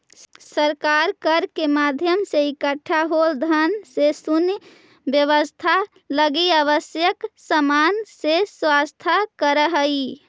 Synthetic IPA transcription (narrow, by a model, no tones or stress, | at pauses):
səɾkaɾkəɾkemad̪ʱjəmseikəʈʰːaɦold̪ʱənsesunj | bjəʋəst̪ʰa | ləɡiaβəsjəksəmanseswast̪ʰakəɾəɦəi